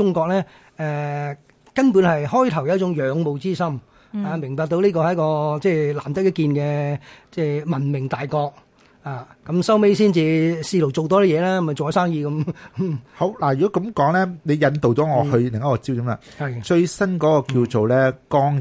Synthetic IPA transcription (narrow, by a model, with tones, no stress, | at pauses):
ʊ˥ŋkɔː˧k̚lɛː˥ | ɛː˧ | kɐ˥npu˨˥nhɐ˨jhɔː˥jt̪ʰɐ˨˩wjɐ˨˧˥t͡sʊ˨˥ŋjœː˨˧ŋmo˨wt͡siː˥sɐ˥m | aː˨˧mɪ˨˩ŋpaː˧k̚t̪o˧wniː˥kɔː˧hɐ˨˥jkɔː˧t͡sɛː˧˩la̰ː˨˩mt̪ɪ˥k̚jɐ˥t̚kiː˧nkɛː˧t͡sɛː˧˩mɐ˨˩nmɪ˨˩ŋt̪aː˨jkɔː˧k̚ | aː˨˩kɐ˨˥msɐ˥wme˥jsiː˥nt͡siː˨siː˧lo˨˩wt͡so˨wt̪ɔː˥ɾi˦˥jɛː˨˧laː˥mɐ˨˩t͡so˨a˨˥saː˥ŋjiː˧kɐ˨˦m | ho˨˥wlaː˨˩jyː˨kɔː˨˦˥kɐ˨˧˥mkɔː˨˥ŋlɛː˥ne˨˧jɐ˨˧nt̪o˨wt͡sɔː˨˦ŋɔː˨˧hɵ˧lɪ˨˩ŋɐ˦˥kɔː˧t͡siː˥wti˧˥mla̰˧˨hɐ˨jt͡ʃɵ˧ɥsɐ˥nkɔː˨˥kɔː˧ki˧wt͡so˨wlɛː˦˥kɔː˥ŋ